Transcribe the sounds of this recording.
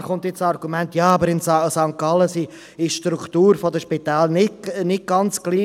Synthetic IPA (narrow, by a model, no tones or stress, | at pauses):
χʊnt̪ɪsɑrɡumɛnt̪jɑːɑbəɾɪnssɑŋkɑləsi | ɪʃʃtɾukt̪uːɾfɔd̪əʃpɪt̪ɛːlnɪnɪɡ̚ɡ̥ɑnt͡sɡ̥liː